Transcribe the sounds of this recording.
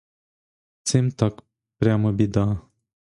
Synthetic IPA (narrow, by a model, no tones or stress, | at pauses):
t͡semt̪ak | pɾʲaməbid̪a